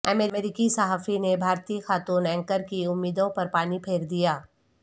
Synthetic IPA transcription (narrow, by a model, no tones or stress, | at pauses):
əmeeɾɪkisɐɦaːfinebʱaːɾt̪iːxaːt̪uːnɛ̃ːŋkəɾkiʊmːiːd̪õpɐɾpaːnipʰeːɾd̪ijaː